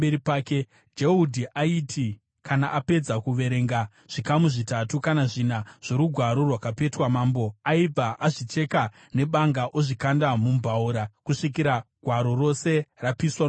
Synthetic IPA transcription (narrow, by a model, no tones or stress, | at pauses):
eɾipaːke | d͡ʒeudʱiʔaitʰi | kanaʔape̞d͡zakuʋe̞ɾe̞ːŋɡa | ʐ̥ikamuʐitatukanaʐinaʐ̥o̞ɾuɡʱwaɾo̞rwakape̞twamaːmbo̞aib͡vaʔaʐit͡ʃe̞ka | ne̞ɓaŋɡaʔoʐikandamumbʱauɾakuʂikiɾaɡʱwaɾo̞ro̞se̞rapiswa